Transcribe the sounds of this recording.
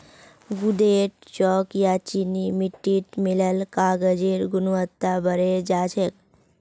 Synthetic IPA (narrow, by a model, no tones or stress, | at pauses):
ɡud̪eːʈ̚t͡ʃɔːkjat͡ʃinimɪʈːiʈmɪləlkaːɡəd͡ʒeɾɡʊnʋət̪ːabəɾed͡ʒaːd͡ʒʰek